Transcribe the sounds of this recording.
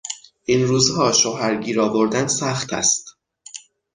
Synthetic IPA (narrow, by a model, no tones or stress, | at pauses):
ʔinɾuːzhɒːʃoɦæɾɟiːɾɒːvoɾd̪ænsæxt̪ʰæ̰st̪